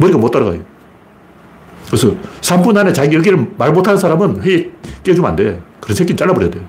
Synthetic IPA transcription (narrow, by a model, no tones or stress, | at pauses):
mʌɾiɡamot͈aɾaɡa̰jo | kɯesʰʌsʰambunɦanet͡ɕaɡijʌɡeɾɯɭmaɭmotʰanɯnsʰaɾamɯnɸweek͈et͡ɕoma̰nde̞kɯɾʌnsʰeɡ͈ʰint͡ɕ͈aɭːaboɾjade̞j